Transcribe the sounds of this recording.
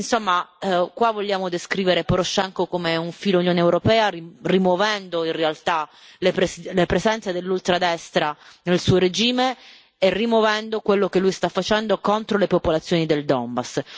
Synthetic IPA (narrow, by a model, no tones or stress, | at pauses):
insomːakwavːolːjaːmod̪eskɾiːveɾepoɾoʃːɛŋkokomeuɱfiːlunjoːneːwɾopɛːaririmwovɛnd̪oinrealt̪a | lepeslepɾezɛnt̪sed̪elːult̪ɾad̪ɛst̪ɾanelsuːoɾed͡ʒiːmeː | rimwovɛnd̪okwelːokelːujst̪afːat͡ʃɛnd̪okont̪ɾolepopolat̪sːjoːnid̪eld̪ɔmbas